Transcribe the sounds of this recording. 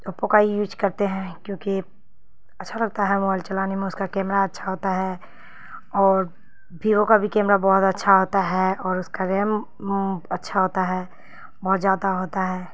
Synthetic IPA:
ʊpõkaijuːd͡ʒkɐɾt̪eɦɛ̃kjõːki | ɐtːʃʰalɐɡ̚t̪aɦɛmɔɪlt͡ʃɐlaːnemẽʊskakɛːmɾaɐtːʃʰaɦoːt̪aɦɛ | ɔːɾ | bʱiːʋõkabʱikɛːmɾabɔɦʊt̪ɐtːʃʰaɦoːt̪aɦɛɔːɾʊskaɾeːm | ɐtːʃʰaɦoːt̪aɦɛː | bɔɦt̪d͡ʒaːd̪aɦoːt̪aɦɛː

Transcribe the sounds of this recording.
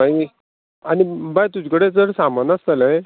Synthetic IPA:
aj | anibajt̪ud͡ʑikəɽet͡səɽsambənəst̪ələ̃ẽ

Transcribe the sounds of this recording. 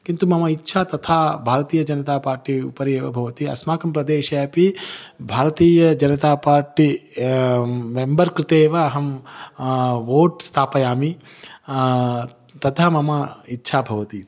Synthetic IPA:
kint̪umɐmɐitːʃʰaːt̪ɐt̪ʰaːbʱaːɾɐt̪iːjɐd͡ʒɐnɐt̪aːpaːɾʈiupɐɾeːʋɐbʱɐʋɐt̪iɐ̰smaːkɐmpɾɐd̪eːʃɐjɐpibʱaːɾɐt̪iːjɐd͡ʒɐnɐt̪aːpaːɾʈi | membɐɾkɾɪt̪eːʋɐːɦɐm | ʋoːʈst̪ʰaːpɐjaːmi | t̪ɐt̪ʰamɐmɐitːʃʰaːbʱɐʋɐt̪i

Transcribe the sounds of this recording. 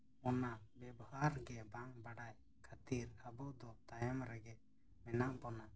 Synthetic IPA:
ɔnabɛbɔhaɾɡɛbaŋbaɽaj | kʰat̪iɾabɔʔd̪ɔt̪ajɛmɾɛɡɛ | mɛnaʔbɔna

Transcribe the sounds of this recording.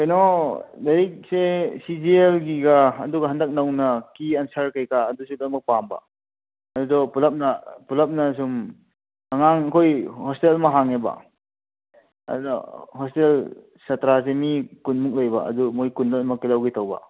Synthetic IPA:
kajnɔdɐɾik̚sesizielɡiɡaɐ̰duɡɐɦandɐk̚nawnɐkiɐnsaɾkajkaːdusukamɐk̚pamba̰ | ɐdudɔpulɐp̚nɐpulɐp̚nɐs̬um | ɐŋaŋɐkʰojhɔstelmɐɦaŋeba̰ | ɐ̰dua̰hɔstel | satɾas̬emikunmuk̚lajba̰ɐ̰dumojkundamɐkilawɡitʰawba̰

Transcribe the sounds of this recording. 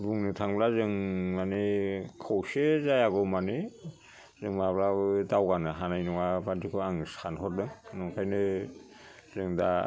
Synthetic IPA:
buŋnɯtʰaŋblazɯŋmanekʰawsezajaɡɔmane | zɯŋmablabɯdawɡanɯɦanajnɔŋabantikʰɯaŋsʰanɦɔt̚dɯŋnɔŋkʰajnɯ | zɯŋda̰

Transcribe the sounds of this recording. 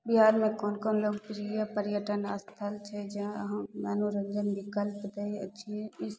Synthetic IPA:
biɦaːɾmẽkɔːnkɔːnloːɡpɾijəpəɾjəʈənəst̪ʰəlt͡ʃʰɛd͡ʒãɦəmaːnoɾəɡd͡ʒənbikəlpt̪ɦɛiə̰tːʃʰiɛ̃ɪs

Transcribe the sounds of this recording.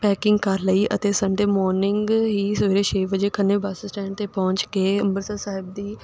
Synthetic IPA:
pɛːkɪ̃ŋɡkəɾləiːʔə̰t̪eːsəɳɖeːmɔːɾnɪŋɡɦiːsəʋiːɾeːʃeːʋəd͡ʒeːkʰənːeːbaːsəsʈɛ̃ːɳt̪eːpɔ̃ːɲt͡ʃkeːə̃mbəɾsəsaːɦɪb̚d̪iː

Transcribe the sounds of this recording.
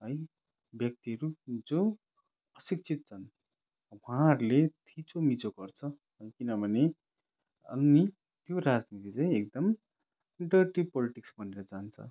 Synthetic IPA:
ɦʌj | bjʌk̚t̪iɦʌɾud͡zo | ʌsik̚t͡sʰit̪̚t͡sʰʌn | waɾlet̪ʰit͡somit͡soɡʌrt͡sʰʌ | ɦʌjkinʌbʱʌne | ʌ̰ni | t̪joɾad͡znit̪it͡saĩek̚d̪ʌm | ɖʌʈipʌliʈiksbʱʌneɾʌd͡zant͡sʰʌ̰

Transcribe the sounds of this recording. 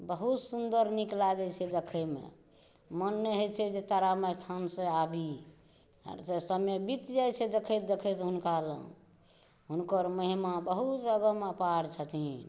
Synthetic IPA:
bəɦut̪sund̪əɾniklaɡɛt͡ʃʰɛd̪ekʰəmḛ | mənmeɦet͡ʃʰɛd͡ʒet̪aɾamet̪ʰansə̃abḭ | sesəmebit̪d͡ʒajt͡ʃʰɛd̪ekʰet̪̚d̪ekʰɛt̪ɦunkalə̰ | ɦunkəɾməɦimabəɦut̪əɡəməpaɾt͡ʃʰət̪i

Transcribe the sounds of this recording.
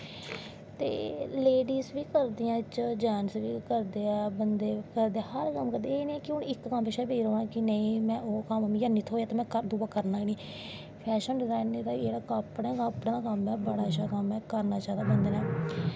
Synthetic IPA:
t̪ḛːleːɖiːsʋiːkəɾd̪iːãːt͡ʃd͡ʒɛːnsʋiːkəɾd̪eːɛːbənd̪eːkəɾd̪eːɛhəɾkəmkəɾd̪eːniːkɪʊɳɪkːəmbeʃɛːbeːɾoːnãːkɪnəĩːmɛ̃ːʔoːkəmmijaːniːt̪ʰoːjaːt̪ːmɛ̃ːkəɾd̪uːbaːkəɾnaːiniː | pʰɛːʃənɖɪzaːɪnːeːd̪aːeːɽaːkapɽẽːkapɽẽːd̪aːkəmɛːbəɽaːʃaːkəmɛːkəɾnaːt͡ʃaːd̪aːbənd̪eːnaː

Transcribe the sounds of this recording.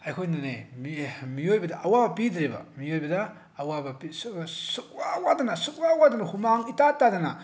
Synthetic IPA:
ajkʰojnanemimijojbɐdaʔawabɐpidɾeba̰mijojbɐdaː | wabɐpissuk̚wawadɐnasuk̚wawadanɐhumaŋitatːadana

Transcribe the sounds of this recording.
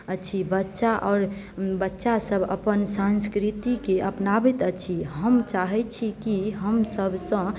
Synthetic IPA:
ət͡ʃʰibətːʃaʔɔːɾ | bətːʃasəbʱə̰pənsãnskɾit̪ikeʔəpnabit̪ət͡ʃʰiɦəmt͡ʃaɦɛt͡ʃʰikiɦəmsəbʱsə̃

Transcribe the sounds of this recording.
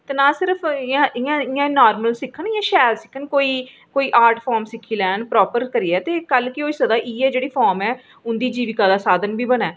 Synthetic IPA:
t̪eːnaːsɪɾəpʰãːɪjãːɪjãːnaːɾməlsɪkʰːənɪjãːʃɛːd̪sɪkʰːənkoːiː | koːiːʔaːɾʈʰpʰaːɾmsɪkʰːiːlɛːnpɾɔːpəɾkəɾiːɛːt̪eːkəlkɪoːiːsəd̪aːʔiːɛːd͡ʒeːɽiːpʰɔːɾmɛː | ʊnd̪iːd͡ʒiːʋɪkaːd̪aːsaːd̪ənbiːbənɛː

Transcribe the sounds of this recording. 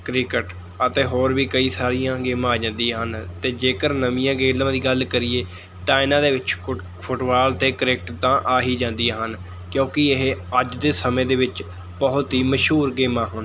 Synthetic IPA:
kɾɪkəʈ | ət̪eːɦoːɾʋiːkəiːsaːɾijãːɡeːmãːaːd͡ʒãːnd̪ijãːɦənt̪eːd͡ʒeːkəɾnəmĩjãːɡeːlãːd̪iːɡəlkəɾɪːeː | t̪ãːɪnãːd̪eːʋɪt͡ʃ | pʰʊʈbaːlt̪eːkəɾeːk̚ʈt̪ãːʔaːɦiːd͡ʒãːnd̪ijãːɦən | kjõːkɪɪɦəd͡ʒd̪eːsəmẽːd̪eːʋɪt͡ʃ | pəɦʊt̪iːməʃɦuːɾɡeːmãːɦʊn

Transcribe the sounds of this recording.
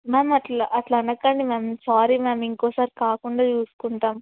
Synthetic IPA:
meːmɐʈlɐʔɐʈlɐnɐkːɐɳɖimeːmsaːɾimeːmiŋkoːsaːɾikaːkuɳɖaːt͡ʃuːsu̥kuɳʈaːm

